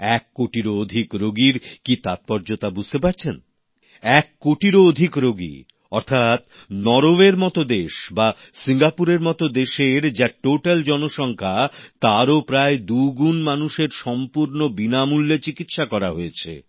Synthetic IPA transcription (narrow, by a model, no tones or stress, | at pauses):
ɛkːoʈiɾood̪ʱikɾoɡiɾkit̪at̪̚pɔɾd͡ʑot̪abud͡ʑʱt̪epaɾt͡ɕʰen | ɛkːoʈiɾood̪ʱikɾoɡḭ | ɔɾt̪ʰat̪ | nɔɾobeɾmɔt̪od̪eʃba | siŋɡapuɾeɾmɔt̪od̪eʃeɾd͡ʑaʈoʈald͡ʑɔnoʃɔŋkʰat̪aɾopɾaed̪uɡunmanuʃeɾʃɔmpuɾnobinamulːet͡ɕikit̪ʃakɔɾaɦoet͡ɕʰḛ